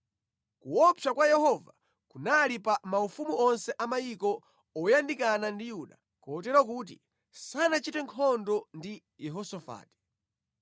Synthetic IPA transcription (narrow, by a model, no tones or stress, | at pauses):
kuɔpakwajɛhɔva | kunalipamaufumuɔnsɛʔamajikɔ | ɔjandikanandijuɗa | kɔtɛɾɔk̬uːt̬ḭ | sanat͡ʃitɛŋkʰɔndɔndi | jɛɦɔsɔfa̰ːti̥